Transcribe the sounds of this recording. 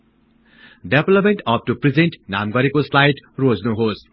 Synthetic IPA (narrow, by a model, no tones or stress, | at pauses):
ɖeblʌpmẽɳʈʌp̚ʈuprid͡zenʈnamɡʌɾekoslajʈrod͡znuɦos